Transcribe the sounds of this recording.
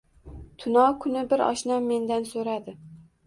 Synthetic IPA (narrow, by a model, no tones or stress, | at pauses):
t̪ʰʊnɒkʰʊnɪbɪɾɒ̰ʃnamːe̞nd̪ansoɾad̪ɪ